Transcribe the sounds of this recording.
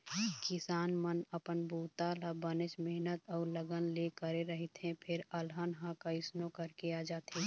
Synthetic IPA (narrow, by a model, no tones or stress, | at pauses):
kɪsaːnmənəpənbuːt̪alabənɪt͡ʃmɛɦnət̪ɔːɾləɡənlekəɾeɾəɦit̪ɦɛ̃pʰɪɾəlɦənɦãkaɪsnokəɾkeaːd͡ʒaːt̪eː